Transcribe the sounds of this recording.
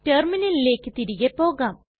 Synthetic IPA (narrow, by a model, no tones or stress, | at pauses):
ʈerminɐlile̞ːkːɨt̪iɾiɣepo̞ːɣaːm